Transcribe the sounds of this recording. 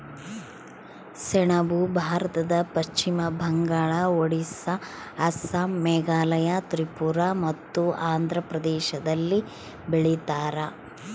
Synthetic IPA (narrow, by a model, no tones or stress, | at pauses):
seɳɐbubʱaːɾɐt̪ɐd̪ɐpɐʃt͡ʃimɐbʱɐŋɡaːɭɐoɽisɐ | ɐsɐmɛːɡaːlɐjɐt̪ɾipuɾamɐt̪ːuaːnd̪ʱɾɐpɾɐd̪ɛːʃɐd̪ɐlːi | beɭit̪aːɾɐ